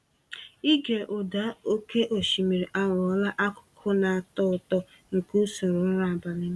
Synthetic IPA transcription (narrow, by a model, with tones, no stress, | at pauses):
i˦ɡe˨ʔʊ˨da˦o˦ke˦ʔo˨ʃi˨mi˨ɾi˨ʔa˦ɾɔ˦la˦ʔa˦kʊ̥˨kʰʊ˦na˨a˨tɔ˦ʊ˨tɔ˦ | ŋ̩˨ku˦so˨ɾʊ˨˦ɾa˨a˨ba˨lɪ˦